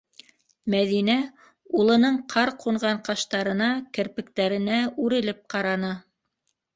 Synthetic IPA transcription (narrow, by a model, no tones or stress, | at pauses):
mæðinæ | ulˠɤ̆nɤɴqʰɑɾqʰuɴʁɑɴqɑʃt̪ɑɾɤ̆nɑkɘ̆ɾpɘ̆k̚t̪æɾɘ̆næʉɾɘ̆lɘp̚qɑɾɑnɑ